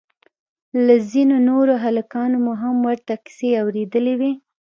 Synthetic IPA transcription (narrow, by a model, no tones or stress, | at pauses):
lazinonoɾoɦalakɑnomoɦamwaɾt̪akɪ̥seawɾed̪əlewe